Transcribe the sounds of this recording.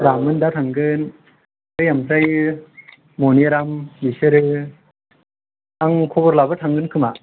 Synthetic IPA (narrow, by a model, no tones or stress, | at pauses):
ɾamɯndatʰaŋɡɯn | ɯjampʰɾɯjɯ | mɔniɾambisɯɾɯ | aŋkʰɔbɯɾlabɯɾtʰaŋɡɯnkʰɯma